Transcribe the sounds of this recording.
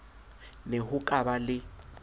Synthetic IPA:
neɦʊkʼabalɪ

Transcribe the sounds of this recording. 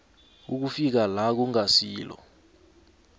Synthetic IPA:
uk̬ufik̬alak̬uŋasiːlɔ̰

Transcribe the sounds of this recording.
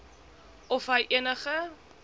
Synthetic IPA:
ɔfɦəjʔiənəχə

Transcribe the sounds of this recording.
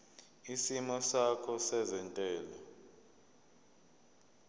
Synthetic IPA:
isimɔsakʰɔsɛzɛntʼɛːlɔ

